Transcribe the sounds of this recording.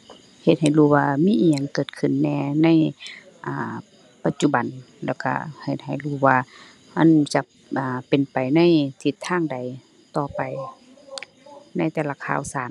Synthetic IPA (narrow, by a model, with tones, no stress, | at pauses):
he˧˦t̪̚ha˨˩jluː˧˩waː˧miː˧˥˨ʔiː˧˩ɲa˨˧˨ŋkɤː˧˩t̪̚kʰɯ˧˩˨nːɛː˧na˧˥˨j | ʔaː˧˩ | pa˧˦t̪̚t͡ɕu˧ba˨n | lɛː˧˩wka̰˧he˧˩t̪̚ha˨˩jluː˧˩waː˧ | ʔa˧˥˨nt͡ɕa˧˦ | ʔaː˨˩pe˨npa˨jna˧˥˨jt̪ʰi˧˦t̪ʰːaː˧˥˨ŋda˨˩j | t̪ɔː˧˩pa˨˩j | na˧˥˨jt̪ɛː˧˩la˧kʰa̰ː˧˨wsaː˨˦n